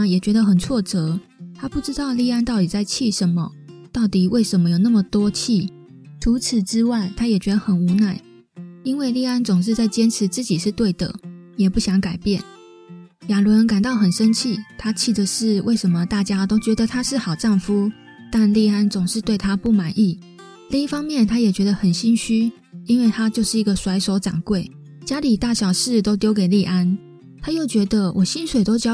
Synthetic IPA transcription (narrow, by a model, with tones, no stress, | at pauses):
jɛ˨˩t͡ɕɥɛ˧˥d̪ə˧xə˨˩nt͡sʰwɔ˥˩ʈ͡ʂɤ˧˦ | t̪ʰa˥pu˥˩ʈ͡ʂɻ̩˥t̪ɑ˥˧ʊli˥˧a˥˧nt̪ɑ˥˩ʊt̪i˨˩t͡sa˥˧ɪt͡ɕʰi˥˩ʂə˧˦nmə̰˧t̪ɑ˥˩ʊt̪i˨˩wʔe˥˩ɪʂə˧˥nmə˧jo˨˩ʊna˥˩mə˨˩t̪wɔ˥t͡ɕʰi˥˩ | ʈ͡ʂʰu˧˥t͡s̩ʰ˨˩ʈ͡ʂɻ̩˥wa˥˩ɪt̪ʰa˥jɛ˨˩t͡ɕɥɛ˧˥d̪ə˧xə˨˩nu˧˥na˥˩ɪ | i˥nwe˥˧ɪli˥˩a˥nt͡sʊ˨˩ŋʂ̬ɻ̩˥˧t͡sa˥˩ɪt͡ɕjɛ˥nʈ͡ʂʰɻ̩˧˥˦t͡sɹ̩˥˩t͡ɕi˨˩ʂɻ̩˥˧t̪we˥˩ɪd̪ə̰˩ | jɛ˨˩pu˥˩ɕjɑ˧˥ŋka˨˩ɪpjɛ˥˩n | ja˨˩lwə˧˦˥nka˨˩nt̪ɑ˥˩ʊxə˨˩nʂə˥nt͡ɕʰi˥˩t̪ʰa˥t͡ɕʰi˥˩d̪ə˨˩ʂɻ̩˥˧wʔe˥˩ɪʂə˧˥nmə˨t̪a˥˩t͡ɕja˥t̪o˥ʊt͡ɕɥɛ˧˥d̪ə˨t̪ʰa˥ʂɻ̩˥˩xɑ˨˩ʊʈ͡ʂɑ˥˩ŋfu˥ | t̪a˥˧nli˥˧a˥nt͡sʊ˨˩ŋʂɻ̩˥˧t̪we˥˩ɪt̪ʰa˦pu˥˩ma˨˩nʔi˥˩ | li˥˧ŋi˥˩fɑ˥ŋmjɛ˥˨nt̪ʰa˥jɛ˨˩t͡ɕɥɛ˧˥d̪ə˧xə˨˩nɕi˥nɕy˥ | i˥nwe˥˩ɪt̪ʰa˦t͡ɕjo˥˧ʊʂɻ̩˥˩i˧˥ɡə˨swa˧˥ɪʂo˧˥ʊʈ͡ʂa̰˨˩ŋkwe˥˩ɪ | t͡ɕja˥li˨˩t̪a˥˩ɕjɑ˨˩ʊʂɻ̩˥˨t̪o˥ʊt̪jo˥ʊke˨ɪli˥˧˩ʔa˦n | t̪ʰa˥jo˥˩ʊt͡ɕɥɛ˧˥d̪ə˧wʔɔ˨˩ɕi˦˥nswe˨˩ɪt̪o˥ʊt͡ɕjɑ˥